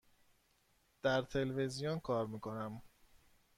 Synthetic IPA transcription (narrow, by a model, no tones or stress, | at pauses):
d̪̥æɾt̪ʰe̞lvezijonkʰɒːɾmiːkʰo̞næm